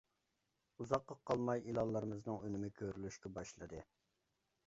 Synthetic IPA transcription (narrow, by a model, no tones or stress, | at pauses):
uzɑqːɑqʰːɑlˠmɑjilˠɑlˠːəɾɨmɨznɨŋønɪmɪkʲʰøɾylyʃkʲɛbɑʃlˠɨd̪ɨ